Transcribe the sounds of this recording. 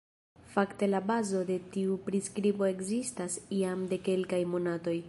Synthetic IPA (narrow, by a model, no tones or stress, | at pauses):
fakte̞labazo̞de̞tiupɾiskɾibo̞e̞ɡzistasiamde̞ke̞lkajmo̞nato̞j